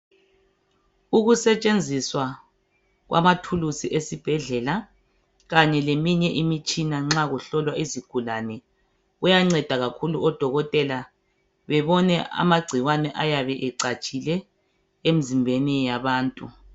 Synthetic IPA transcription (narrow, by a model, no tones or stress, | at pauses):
uɣusɛt͡ʃʼend͡zʱiswa | ɣwʔa̰matʰulusiʔesib̥ʱɛɮɛla | ɣaɲɛlemiɲɛʔimit͡ʃʼinaŋ͡ǁaɣuɬɔlwaiziɡ̥ʱulanɛ | ujaŋ͡ǀɛd̥ʱaɣakʰuluʔɔd̥ʱɔɣɔtʼɛla | βɛβɔnɛa̰maɡ͡ǀʱiwanɛʔajaβɛʔɛǀat͡ʃʼilɛ | em̩zimbʱenijaβaːntʼu